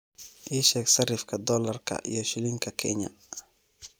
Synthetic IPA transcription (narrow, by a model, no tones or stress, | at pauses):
ʔiːʃɛːɡsɐrɪfkʰɐd̪ɔːlɐrkʰɐ̰ʔḭjɔʃɪlɪŋkʰɐkʰɛ̰ɲɐ̰